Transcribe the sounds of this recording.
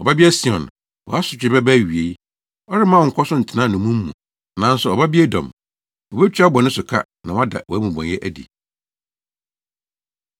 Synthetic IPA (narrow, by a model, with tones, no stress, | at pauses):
ɔ˨ba˦bi˦æ˦si˨ɔ̰̃˨n | wɔ̰˨a˦sʊ˨t͡ɕᶣɪ˨bɛ˦bɛ˦˨ɥi˨e˨˦ | ɔ˦ɾɪ˦mã˦˨ŋ̩˨kʰɔ˦sʊ˦n̩˨tʰɪ˦nã˦˨nʊ̃˨mũ˦m̩ː˦ṵ̃˨ | nã˨n̩˦sʊ˨ɔ˨ba˦bi˦ɛ˦dɔ̰̃˨m | wɔ˨bɛ˦t͡ɕᶣa˦bɔ˨nʊ̃˦sʊ˨kʰa̰˦nã˨wa˦da̰˨wɔ˨æ˦mũ˨bɔ̰̃˨njɛ˦ʔæ˦dḭ˨